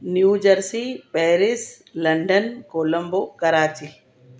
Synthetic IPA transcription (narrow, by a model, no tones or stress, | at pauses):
njuːd͡ʒəɾsipeːɾɪs | lɐɳɖənkoːlɐmbokɐɾaːt͡ʃi